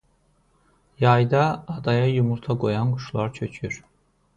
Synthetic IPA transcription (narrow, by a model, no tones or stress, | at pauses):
jɑjd̪ɑːd̪ɑjɑjumuɾt̪ʰɑɡo̞jɑnɡuʃlˠɑɾt͡ʃʰøt͡ʃʰyɾ